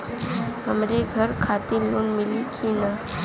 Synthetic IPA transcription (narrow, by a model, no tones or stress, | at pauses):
ɦəmɾeɡʱəɾkʰaːt̪eloːnmɪlikʰinaː